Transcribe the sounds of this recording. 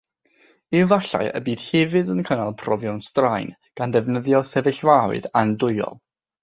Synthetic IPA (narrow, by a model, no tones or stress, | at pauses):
ɪvaɬa̰jə̰biːd̥hɛvɨdənkʰənalˠpʰrɔvjɔnstrajn | ɡ̥andɛvnəðjɔsɛvɪɬvaw̰ɨ̰dandʊɨɔ̰lˠ